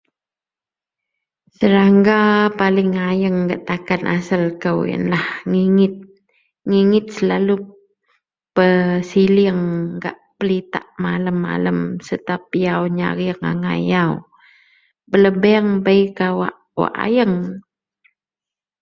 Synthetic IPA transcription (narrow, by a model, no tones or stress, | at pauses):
səɾaŋɡapalɪŋːajəŋɡaʔt̪akanʔa̰səlkəwjə̰nlahŋiŋɪt̪̚ | ŋiŋɪt̪̚səlalu | pəsiliəŋɡa̰ʔpəlit̪a̰ʔmaləmːa̰ləmsət̪ap̚iawɲa̰ɾiəŋa̰ŋa̰jaw | bələbɛŋbəjkawa̰ʔ | wa̰ʔa̰jəŋ